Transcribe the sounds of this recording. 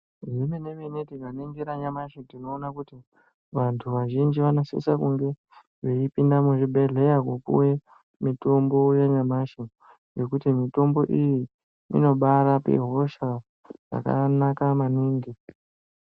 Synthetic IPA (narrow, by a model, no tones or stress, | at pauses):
rimenemenetikaneŋɡiɾaɲamaʃedino̞ːnakuti | ʋantʰuʋaʒind͡ʒiʋanosḭsakuŋɡe̞ | ʐeipindamuʐiɓʱe̞ɮejakopṵwe̞ | mito̞mbo̞jeɲamaʃe | je̞kutimito̞mbo̞ʔiji | ḭno̞ɓaɾapḛɦo̞ʃa | d͡za̰ka̰nakamaniːŋɡi